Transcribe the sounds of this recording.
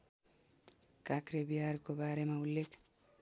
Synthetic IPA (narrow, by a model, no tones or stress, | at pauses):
kakrebiɦarkobaɾemaulːekʰ